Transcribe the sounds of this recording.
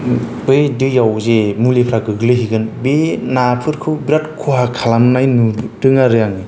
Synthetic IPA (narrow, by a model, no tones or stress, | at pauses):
ɯjdɯjawzemulepʰɾaɡɯɡlɯɦiɡɯnbenapʰɯɾkʰɯwbɾatkʰuɦakʰalamnajnudɯŋaɾɯjaŋi